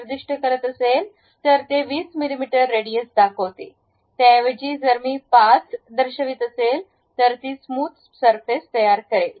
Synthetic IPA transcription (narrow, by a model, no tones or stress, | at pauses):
ɾd̪iʂʈʰəkəɾət̪əsel | t̪əɾt̪eʋiːsmilimiʈəɾːeɽijəsd̪akʰot̪ḛ | t̪ãʋed͡ʑiːd͡zəɾmiːpat͡sd̪əɾɕəʋiːt̪əsel | t̪əɾt̪iːsmuːt̪ | səɾfest̪əjaɾkəɾel